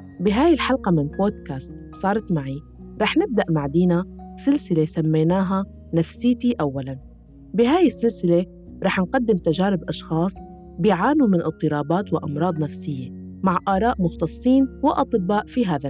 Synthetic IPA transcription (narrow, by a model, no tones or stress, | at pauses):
bɪɦaːjɪlħalqamɪnboːd̪kaːst̪sˤɑːɾˤɑt̪maʕi | ɾˤɑːħnɪb̚d̪aʔmaʕd̪iːnasɪlsɪlesamːejnaːɦa | nafsɪːt̪iʔawːalan | bɪɦaːjɪsːɪlsɪle | ɾˤɑːħnqad̪ːɪmt̪ad͡ʒaːɾɪbʔɑʃxɑːsˤ | bɪʕaːnumɪnʔɨt̪ˤːɨɾˤɑːbaːt̪wɪʔɑmɾˤɑːd̪ˤnafsɪjːemaʕʔaːɾˤɑːʔmʊxt̪ɑsˤːiːnwɪʔɑt̪ˤɨbːaːʔfiɦaːða